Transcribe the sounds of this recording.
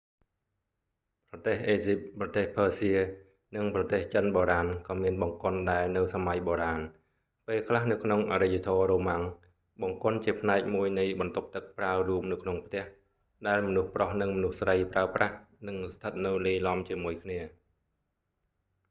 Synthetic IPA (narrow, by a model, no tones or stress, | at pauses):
prɑt̪eːɦʔeːsip̚prɑt̪eːhpʰːəːsiə | nɨŋprɑt̪eːht͡ɕənɓoːɾaːnkɑːmiənɓɑŋkŏənɗaɛlnɨwsamajɓoːɾaːn | peːlkʰlahnɨwkʰnoŋʔa̰ɾɨjat̪ʰoːroːmaŋ | ɓɑŋkʊ̆ənt͡ɕiəpʰnaɛk̚muəjnɨjɓɑnt̪up̚t̪ɨk̚praəruəpnɨwkʰnoŋpʰt̪ɛ̆əh | ɗaɛlmɔnuhprohnɨŋmɔnuhsrəjpraəprahnɨŋst̪ʰət̪̚nɨwliːlɑmt͡ɕiəmuəjkʰniə